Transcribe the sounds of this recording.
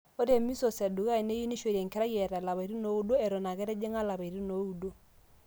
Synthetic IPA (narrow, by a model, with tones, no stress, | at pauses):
o˦ɾe˦˨mi˦so˨sa˨du˨ɣa˦i˨ne˦ju˦ni˦ʃe˨ɾɛ˨ŋke˦ɾa˦jɛ˨ɾa˨la˨βa˨i˨ɾi˦no˨˦u˦do˦ɛ˨ɾo˨na˨ɣɛ˦ɾɛ˦d͡ʒe˦ŋa˦la˨βa˨i˨ɾi˦no˨˦u˦do˦